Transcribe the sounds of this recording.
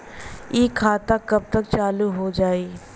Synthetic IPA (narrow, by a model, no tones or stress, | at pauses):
ikʰaːt̪akəb̚t̪ək̚t͡ʃaːluɦod͡ʒaːi